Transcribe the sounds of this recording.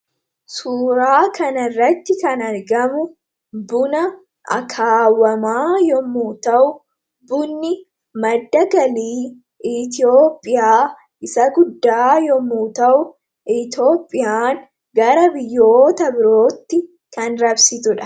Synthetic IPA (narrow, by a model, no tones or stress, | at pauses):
suːɾaːkʰɐnɐrːɐt̪ːɪkɐnɐɾɡɐmʊ | bʊnɐ | ʔɐ̰kʰaːwːɐmaːjɔmːuːt̪ɐʔʊ | bʊnːɪ | mɐd̪ːɐɡɐliː | ʔɪt̪̬ɪjoːpʼːɪjaː | ʔɪsɐɡʊd̪ːaːjɔmːuːt̪ɐʔʊ | ʔɪt̪o̞ːpʼːɪjaːŋ | ɡɐɾɐbɪjːoːt̪ɐbɪɾo̞ːt̪ːɪ | kɐnɾɐbsɪt̪ʊᶑɐ̥